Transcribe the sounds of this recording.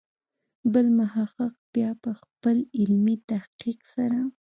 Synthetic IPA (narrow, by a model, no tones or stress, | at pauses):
bəlmʊhaqəq̚b̥jɑpəxpəlɪlmit̪ahqiqsaɾa